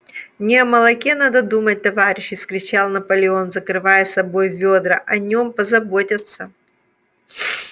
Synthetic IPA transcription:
nʲɪɐmɐlˠɐkʲenad̪əd̪umət̚ʲt̪ɐvaɾʲɪɕːɪskɾʲɪt͡ɕalˠnɐpəlʲɪo̞nzəkɾɨvajəsɐbo̞jvʲod̪ɾəʔɐnʲo̞mpəzɐbotʲɪt̪sə

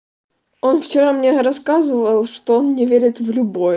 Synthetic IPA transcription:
o̞nft͡ɕɪɾamnʲeɾɐskazɨvəlˠʂt̪oonnʲɪvʲeɾʲɪt̪vlʲʊbo̞j

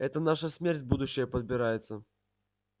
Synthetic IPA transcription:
ɛt̪ənaʂəsmʲerʲtʲbud̪ʊɕːɪjəpəd̪̚bʲɪɾajɪt̪sə

